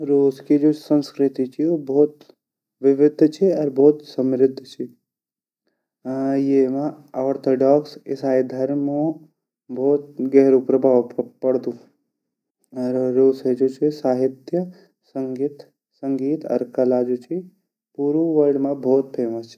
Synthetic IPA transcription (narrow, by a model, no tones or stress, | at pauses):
ɾoːskid͡ʒoːsə̃nskɾɪt̪it͡ʃʰiobɔːt̪ | ʋɪʋɪd̪ʱːt͡ʃʰiɔɾbɔːt̪səmɾɪd̪ʱːt͡ʃʰi | jemã | ɔːɾt̪ʰoːɖɔːksɪsaːid̪ʱəɾmõ | bʱɔːt̪̚ɡɛɦɾupɾəbʱaːʋpəɽd̪ũː | ɔɾːoːsed͡ʒoːt͡ʃʰisaːɦɪt̪jə | səŋɡiːt̪ | səŋɡiːt̪ɐ̰ɾkəlad͡ʒoːt͡ʃʰi | puːɾuʋəɾɖmãbʱɔːt̪̚pʰeːməst͡ʃʰi̥